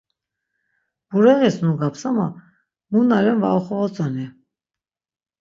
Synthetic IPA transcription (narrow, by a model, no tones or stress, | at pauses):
b̥uɾɛʁɛsnuɡapʰsama | munalɛnva̰ɔχɔvɔt͡sʼanɛ